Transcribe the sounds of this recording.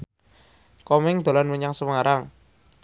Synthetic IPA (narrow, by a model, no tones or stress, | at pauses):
kɔmɪŋd̪̥o̤lanwəɲaŋsəwəŋaɾaŋ